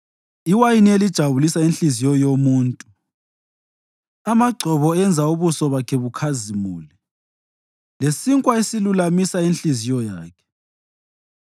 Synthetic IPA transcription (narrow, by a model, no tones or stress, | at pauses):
iwajinielid̥ʒ̥ʱaβulisainɬizijɔjomuːntʼu | amaɡ͡ǀʱɔβɔɛnd͡zʱauβusɔβakʰɛβukʰazimṵːli | lesiŋkʼwaesilulamisainɬizijɔjaːkʰɛ̥